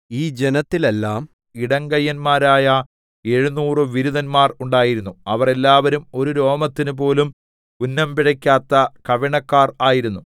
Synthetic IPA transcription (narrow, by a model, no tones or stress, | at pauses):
iːd͡ʑenɐt̪ːilelːaːm | iɽɐŋɡɐjːɐnmaːɾaːjɐ | e̞ɻunuːrɨʋiɾuðɐnmaːruɳɖaːjiɾunːuɐʋɐre̞lːaːʋɐɾumo̞ɾuɾo̞ːmɐt̪ːinupo̞ːlum | unːɐmpiɽɐkʲːaːt̪ːɐkɐʋiɳɐkːaːraːjiɾunːu